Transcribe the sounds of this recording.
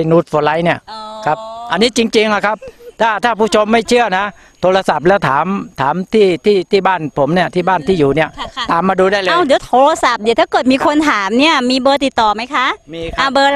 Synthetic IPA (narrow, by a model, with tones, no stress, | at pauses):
nuː˦˥˩t̪̚fɔː˧˩la˦˥jni˥˩ɐkʰa˦˥p̚ʔa˧nːiː˦˥t͡ɕi˧ŋt͡ɕi˧ŋla˨˧˩kʰa˦˥p̚t̪ʰaː˥˩t̪ʰaː˥˩pʰuː˥˩t͡ɕʰo˧mːa˥˩jt͡ɕʰɯ˥˩ɐna˦˥ | t̪ʰoː˧la˧sa˨˩p̚lɛː˦˥wt̪ʰaː˩˦mt̪ʰaː˩˦mt̪ʰiː˥˩t̪ʰiː˥˩t̪ʰiː˥˩baː˥˩npʰo˩˦mni˥˩ɐt̪ʰiː˥˩baː˥˩nt̪ʰiː˥˩juː˨˩ni˥˩ɐt̪aː˨mːaː˧duː˧daː˥˩jlːwdiː˨˩˦wt̪ʰoː˧la˧sa˨˩p̚di˧˦t̪ʰa˥˩kɤː˨˩t̪̚miː˧kʰo˧nt̪ʰaː˩˦mni˥˩ɐmiː˧bɤː˧t̪i˨˩t̪ːɔː˨˩ma˦˥jkʰa˦˥ʔmː˧ʔaː˧˩bɤː˧